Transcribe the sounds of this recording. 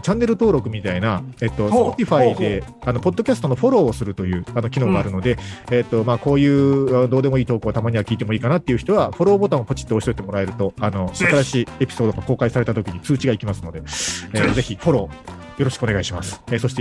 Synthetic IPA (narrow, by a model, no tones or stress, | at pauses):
t͡ɕãnːe̞ɾɯ̟t̪o̞ːɾo̞kɯ̟mʲit̪ainaet̪ːo̞pot̪ʲiɸaid̪e̞ | ano̞po̞d̪ːo̞kʲasɨ̥t̪o̞no̞ɸo̞ɾo̞ːsɨɾɯ̟t̪o̞jɯ̟ːano̞kʲino̞ːɡaːɾɯno̞d̪e̞et̪ːo̞maːko̞ːjɯ̟ːad̪oːd̪e̞mo̞iːt̪o̞ːkɯot̪amaɲ̟iβakʲiːt̪e̞moiːkanat̪ːeiɯ̟çi̥t̪o̞βaɸo̞ɾo̞ːbo̞t̪ãɰ̃ːpo̞t͡ɕi̥t̪ːooɕi̥t̪oit̪e̞mo̞ɾae̞ɾɯ̟t̪o̞ano̞sakaɾaɕiːe̞pʲi̥so̞ːd̪oɡako̞ːkaisaɾe̞t̪at̪o̞kʲiɲ̟it͡sɨːt͡ɕiɡaikʲimasɨno̞d̪e̞eːze̞çiɸo̞ɾo̞ː | jo̞ɾo̞ɕi̥kɯoneɡaiɕimasɨ̥eso̞ɕit̪e